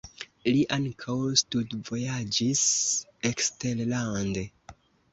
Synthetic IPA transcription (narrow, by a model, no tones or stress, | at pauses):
liʔaŋkʰawstudvo̞jad͡ʒisekstellande